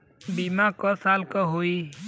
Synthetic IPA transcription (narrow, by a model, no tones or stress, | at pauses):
bimakɔsaːlkɔɦoi